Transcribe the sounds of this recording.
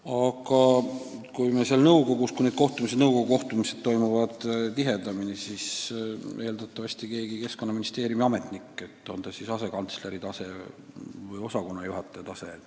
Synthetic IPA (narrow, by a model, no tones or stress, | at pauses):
ɑɡ̥ɑkujmeseɑlnɤwko̞ɡuskujneːd̪̚ko̞ht̪umised̪nɤwko̞ɡuko̞ht̪umise̞d̪̥̚t̪o̞jmuvɑd̪̥t̪iɦe̞d̪ɑminisisʔe̞ːld̪̥ɑt̪ːˑɑvɑsʲt̪ike̞ːɡike̞skoːɑminist̪e̞ːɾjumiɑme̞t̪ˑnikːˑe̞t̪ːˑo̞nd̪ɑsisɑse̞kɑnt̪sle̞ɾit̪ɑse̞ | vɤjo̞sɑko̞nːɑjuɦɑt̪ˑːet̪ɑse̞